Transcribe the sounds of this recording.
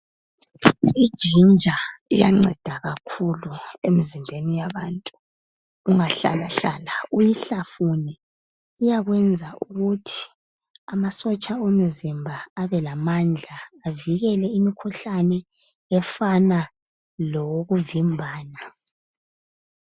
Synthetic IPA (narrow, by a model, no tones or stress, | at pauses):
id̥ʒ̥ʱind͡ʒʱaḭja̰ŋ͡ǀɛd̥ʱaɣakʰuluemizimbʱenijaβantʼuː | ŋaɬa̰laɬaːlaujiɬafuniː | jaɣwɛnd͡zʱaʔuɣutʰi̥ | amasɔt͡ʃʼaom̩zimbʱaːβɛlamand͡ɮʱaːviɣɛlɛimikʰuɬanɛ | ɛfana | lɔɣuvimbʱaːna